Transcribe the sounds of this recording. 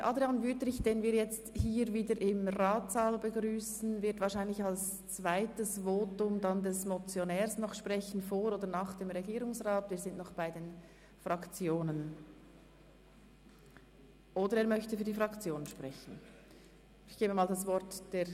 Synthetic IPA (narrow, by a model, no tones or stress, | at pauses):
ɛʔɑdɾeɑnvytəɪçd̥eːnviːɐɾjɛt͡sthiːɾviːdəɾʔɪmraːtz̥aːlbəɡɾyːsn̩vɪɐtv̥ɑːɾʃaɪnlɪçals | t͡svaɪtəsvoːtʊmdɑndɛsmɔt͡sjonɛːɾsnɔχʃprɛçən̩foːɾoːdəɾnaːχd̥eːmʁeɡiːɾʊŋsʁaːtviːɐzɪntnɔχb̥aɪdeːn | fʁɑkt͡sjoːnən | ʔoːdəɾeːɐmœçtəfyːdiːfʁɑkt͡sjoːnənʃpʁ̥ɛçn̩ | ɪçɡ̥eːbəmaːldɑsvɔɾtd̥eː